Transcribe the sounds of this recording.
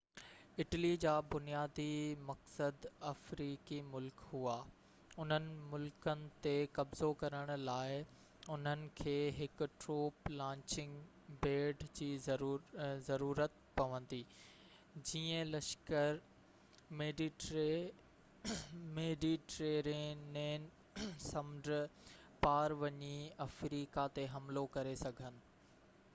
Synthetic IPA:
ɪʈlid͡ʑaːbʊnijaːd̪imɐksəd̪ɐfɾiːkimʊlkɦuaː | ʊn̤ənɪ̆mʊlkənɪ̆t̪ekɐbz̥okɐɾəɽ̃ʊ̆laːɪ | ʊn̤ənɪ̆kʰeːɦɪkʊ̆ʈɾoːplãːɲt͡ɕɪ̃ŋɡ | beːɖd͡ʑiː | zɐɾuːɾət̪̚ | pɐʋə̃n̆d̪iː | d͡ʑiːə̃lɐʃkəɾ | meɖi | meːɖiʈɾeːɾɪneːn | sɐmɖpaːɾʋɐɲiɐfɾiːkat̪eɦɐmlokɐɾesɐɡʱənɪ̆

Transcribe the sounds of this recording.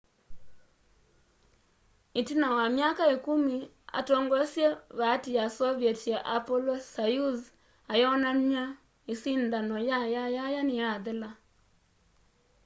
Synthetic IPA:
itinawamjakaekumi | a̰tɔŋɡɔsjeβatijasɔβjetjaʔapɔlɔsajuz | ajɔnamɲa | isindanɔjajajajanijaðela

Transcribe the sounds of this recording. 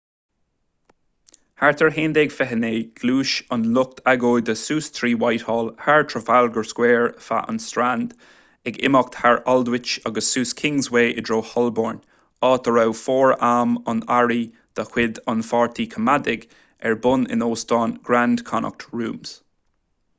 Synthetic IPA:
haɹt̪ʰəɹɦeːnd̪eɡfɛɦəneːɡ̥luːʃənlʊk̚t̪ʰaɡoːjd̪əsuːst̪ʰɹiːwajthɔːlhaɹtʰɹəvalɡəɹskwɛːɹfa̰ʔə̰nstɹand̥ | ɛɡɪ̰mɔk̚t̪haɹɔldwɪt͡ʃɔɡəssuːskʰɪŋzweːʔɪdɹoːhɔlbɔːɹn | ɑːt̪əɹawfɔːɹaːmənaɹi | d̪̥əhw̥ɪd̪ɔnfɔːɹt̪ʰikʰəmadɪɡ | ɛɹbʊnɪ̰noːstɔːnɡ̥ɹand̥kʰɔnʔɔ̰k̚tʰɹuːmz̥

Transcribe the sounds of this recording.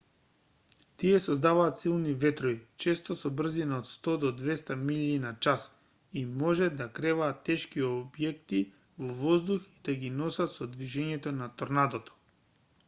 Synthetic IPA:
t̪iɛsɔzd̪avaːt̪silˠnivɛt̪ɾoit͡ʃɛst̪osɔbr̩zinaot̪st̪ɔd̪ɔd̪vɛst̪amilinat͡ʃas | imɔʒɛd̪akɾɛvaːt̪ːɛʃkiobjɛk̚t̪i | vɔvɔzd̪uxid̪̥aɡinɔsat̪sɔd̪viʒɛɲɛt̪onat̪oɾnad̪ot̪ɔ̥

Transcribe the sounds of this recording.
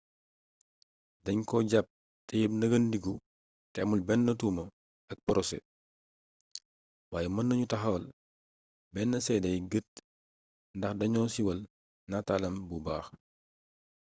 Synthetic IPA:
dɐɲkɔɟap̚ | tɛjib̚nɐɡɐndiɡu | tɛmulbɛnːɐtuːmɐ | ɐk̚pɔɾɔsɛ̰ | waːjɛmɐnːɐɲutɐxɐl | bɛnːɐsɛdɐjɡət̚ | ndɐxdɐɲɔːnsiwɐl | natalɐmbubaːx

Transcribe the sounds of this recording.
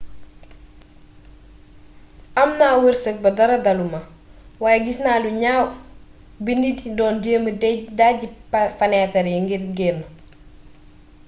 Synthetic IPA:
ʔɐmnaːwəɾsək̚bɐdɐɾɐdɐlumɐ | waːjɛɡisnaːluɲaw | binididɔːndeːmədaɟifɐnɛtɐɾɛŋɡiɾɡɛmɐ

